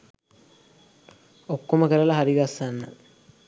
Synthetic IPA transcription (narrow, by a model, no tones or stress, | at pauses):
okːoməkəɾəlaɦaɾiɡasːanːə